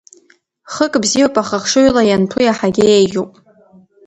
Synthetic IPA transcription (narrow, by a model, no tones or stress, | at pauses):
χəkʼbzijopʼaχaχʂoɥlajanpʰujaħaɡʲɪejɡʲupʼ